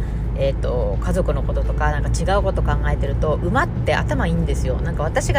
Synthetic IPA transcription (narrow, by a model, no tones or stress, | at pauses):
e̞t̪ːo̞̰kazo̞kɯ̟no̞ko̞t̪o̞t̪o̞kanãŋkat͡ɕiɡaɯ̟ko̞t̪o̞kãŋɡae̞t̪e̞ɾɯ̟t̪o̞ʔɯ̟mat̪ːe̞ʔa̰t̪amaĩːnd̪e̞sɨjo̞̰nãŋkaβ̞at̪aɕiɡa